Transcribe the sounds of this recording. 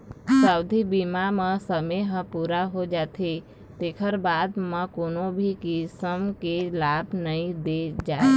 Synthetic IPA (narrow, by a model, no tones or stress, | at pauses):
saʊd̪ʱibimaməsəmeɦə̃puɾaɦod͡ʒat̪ʰe | t̪ekʰəɾbad̪məkonobʱikisəmkelabnəid̪ed͡ʒa